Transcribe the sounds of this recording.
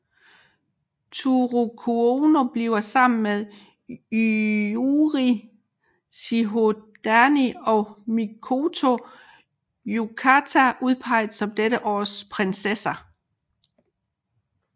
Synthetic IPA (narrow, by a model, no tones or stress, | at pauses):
t͡sʰuʁukʰuono̝b̥lḭʊɐsɑ̈m̰n̩meðˠ | uʁi | siɦo̝d̥æniɒmikʰo̝t͡sʰo̝ | jukʰæt͡sʰæʔuðˠpʰɑ̈ɪ̰ðd̩ˠsɒ̽md̥eɾəʔɒ̰ːspʰʁensesɐ